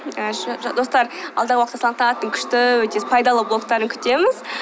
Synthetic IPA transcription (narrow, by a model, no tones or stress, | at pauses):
əʒd̪o̞st̪ɑɾɑld̪ɑʁəwɑqt̪ːəsɑəqt̪ɑɑt̪əŋkʲʰʏ̥ʃt̪ɪwɵt̪epʰɑjd̪ɑlˠəblˠo̞k̚t̪ɑɾəŋkʲʰʏ̥t̪e̞mɪz